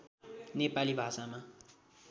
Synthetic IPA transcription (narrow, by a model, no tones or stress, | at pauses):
nepalibʱasama